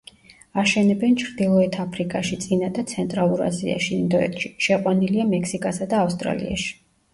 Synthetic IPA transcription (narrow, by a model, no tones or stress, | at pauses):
aʃɛnɛbɛnt͡ʃʰɾd̪ilˠɔɛt̪ʰapʰɾikʼaʃit̪sʼinad̪ʰasʰɛnt̪ʼɾalˠuɾa̰zḭa̰ʃiind̪ɔɛ̰t̪ʃiʃɛqʼwaniliamɛkʰsikʼasad̪aːfst̪ʼɾa̰lḭa̰ʃi̥